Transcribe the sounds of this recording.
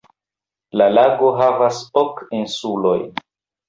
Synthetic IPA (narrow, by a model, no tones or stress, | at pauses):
lalaɡo̞ɦavasokinsulo̞j